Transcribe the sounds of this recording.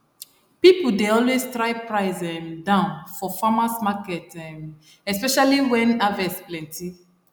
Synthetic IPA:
pipudeɔlwestɹaɪpɹaɪzɛ̃mdãʊ̃nfɔfamasmakɛtɛ̃m | ɛspɛʃaliwɛ̃navɛsplɛ̃nti

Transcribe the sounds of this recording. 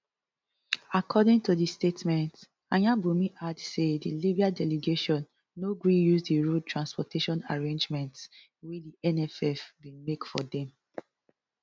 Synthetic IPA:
akʰɔdɪ̃ŋtudistetmɛ̃nt | ãjãbumiʔadsedilibiadɛleɡeʃɔ̃nː | oɡɹijusdiɹud̚tʰɹãnspɔtʰeʃɔ̃naɹẽnd͡ʒmɛ̃nts | widiɛnɛfɛfdimekfɔdɛ̃m

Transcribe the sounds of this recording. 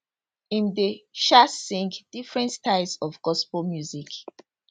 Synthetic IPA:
ĩndeʃasĩŋkd̥ifɹɛ̃ntstaɪsɔvɡɔspɔlmjuzik

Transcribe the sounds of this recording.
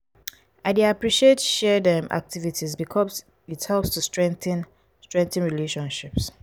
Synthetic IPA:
aɪdeapɹiʃietʃɛdɛ̃mʔa̰k̚tʰivitʰizbikʰɔz | ithɛlpstʰustɹɛ̃nθn | stɹɛ̃ŋk̚θĩnɹileʃɔ̃nʃips

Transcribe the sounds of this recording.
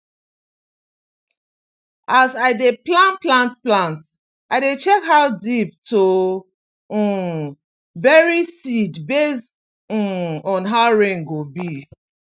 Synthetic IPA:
azaɪdeplãnplãntplãnt | aɪdet͡ʃɛkɦaʊdip̚to | bɛɹisidbest̩ | ɔ̃nɦaʊɹẽnɡobi

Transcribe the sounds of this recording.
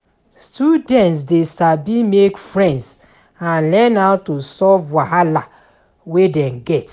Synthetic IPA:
studɛ̃ntsdesabĩmekfɹɛ̃nds | ãnlɛ̃naʊtosɔvwahala | wedɛ̃mɡɛt

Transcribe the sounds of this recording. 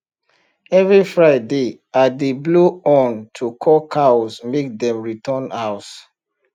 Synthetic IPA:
ɛvɹifɹaɪde | adebluɔ̃ntʰukʰɔkʰasmek̚dɛ̃mɹitʰɔ̃naʊt

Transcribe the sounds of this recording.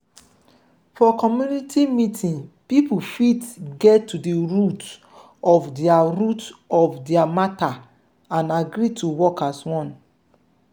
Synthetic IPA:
fɔkɔmjunitʰimitʰĩnpipufitɡɛtːudeɹut | ɔfdɛaɹutɔfdɛamata | ãnaɡɾitʰuwɔkaswɔ̃n

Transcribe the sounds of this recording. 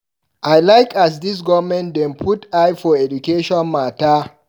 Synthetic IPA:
ʔajlajkas̬dis̬ɡɔvmɛ̃ntdɛ̃npʰutajfɔɛd͡ʒukeʃɔ̃nmata

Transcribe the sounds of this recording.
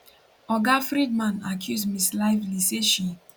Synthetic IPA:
ɔɡafɾid̚mãnakʰjusmislaɪvliseʃi

